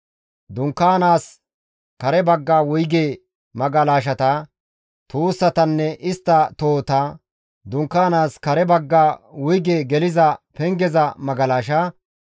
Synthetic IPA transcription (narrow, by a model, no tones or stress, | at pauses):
d̪ʊŋkːaːnaːs | kɐɾɛbɐɡːaːwʊjɡeː | mɐɡɐlaːʃ̬ɐt̪ɐ | t̪uːsːɐt̪ɐnːɛʔɪst̪ːɐt̪o̞ːt̪ɐ | d̪ʊŋkːaːnaːskɐɾɛbɐɡːaːwʊjɡeːɡɛlɪzɐpɛŋɡɛzɐmɐɡɐlaːʃɐ